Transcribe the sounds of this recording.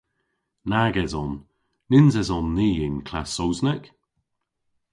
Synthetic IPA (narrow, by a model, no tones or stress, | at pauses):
naɡɛzɔnː | ɪnzɛzɔnːiːɪnkʰlasowznɛk